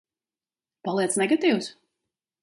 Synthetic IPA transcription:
palˠiɛt̪snɛɡat̪iːws

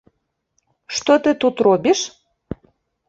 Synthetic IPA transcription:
ʃt̪ot̪ɨt̪ut̪robʲiʃ

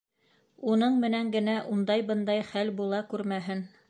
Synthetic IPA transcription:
unɤɴmɘ̆næŋɡɘ̆næʔund̪ɑjbɤ̆nd̪ɑjχælbulˠɑkʉɾmæɦɘn

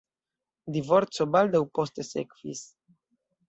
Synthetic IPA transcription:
d̪ivo̞ɾt͡sobald̪awpo̞st̪esḛkv̥ḭs

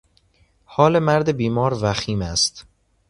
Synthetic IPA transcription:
hɒːle̞mæɾd̪ebiːmɒːɾvæxiːmæst̪

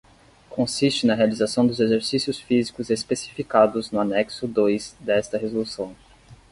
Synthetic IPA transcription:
kõsist͡ʃɪnɐɦealizasɐ̃w̃d̪ʊzezeɾsisjʊsfizikʊzespesi̥fikad̪ʊznʊanɛksʊd̪ojzd̪ɛst̪ɐɦezolusɐ̃w̃

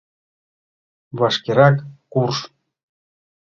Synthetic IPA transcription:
βɑʃkeɾɑkːurʃ

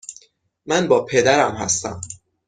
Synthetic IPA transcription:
mænbɒːpʰe̞d̪æɾæmhæ̰st̪æ̰m

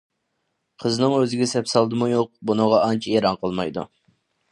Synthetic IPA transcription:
qʰəznɨŋøzɪɡʲɛsɛpsɑlˠd̪ɨmujoq̚bunəʁɑɑnt͡ʃʰɛeɾɑnqʰəlˠmɑjd̪ṵ

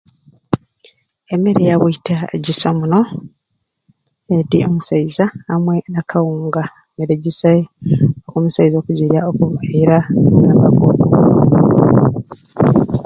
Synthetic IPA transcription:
emeɾejawuitʰaɟisomuno | edḭʔo̞musaizaːmwe̞nakʰawuːŋɡa | meɾeɟisaokumusaizo̞ːkuɟiɾaokuβajiɾaabaɡoβu

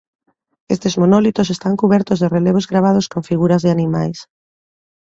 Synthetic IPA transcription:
est̪ezmonɔlit̪osest̪aŋkuβɛɾt̪ʊzðereleβ̞ozɣɾaβað̞oskoɱfiɣuɾɐzðeɪanimajs

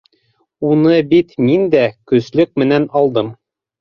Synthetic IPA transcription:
unɤbit̪mind̪ækɵ̆zlɵk̚mɘ̆nænɑlˠd̪ɤm

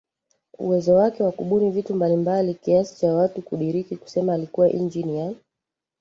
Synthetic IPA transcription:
ṵwɛzɔwakɛwakuɓunivitumbalimbalikiasi̥t͡ʃawatukuɗiɾikiku̥sɛmaːlikuwaʔḭnd͡ʒinia

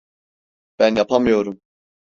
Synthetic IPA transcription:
b̥ænjapʰamɯjo̞ɾum

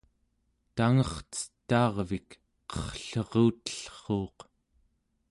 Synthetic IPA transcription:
t̪aŋʌχt͡sə̥t̪ːɑːʁvik | qʌ̥χɬʌʁuːt̪ə̥ɬχoːq

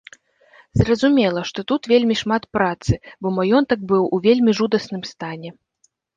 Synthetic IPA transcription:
zrɐzumʲɛlˠɐʂt̪ɔt̪ut̪vʲelʲmʲiʂmat̪pɾat̪sɨbɔmajɔnt̪ɐk̚bɨwuvʲelʲmʲiʐud̪ɐsnɨmst̪anʲɛ

